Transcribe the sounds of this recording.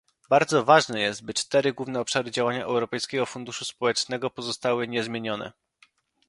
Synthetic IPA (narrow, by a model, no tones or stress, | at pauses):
baɾd̪zɔvaʐnɛjɛst̪̚bɘt͡ʂt̪ɛɾɘɡwuvnɛɔpʂaɾɘd͡ʑawaɲaʔɛ̰wɾɔpɛjskʲɛɡɔfund̪uʂuspɔwɛt͡ʂnɛɡɔpɔzɔst̪awɘɲɛzmʲjeɲɔnɛ̰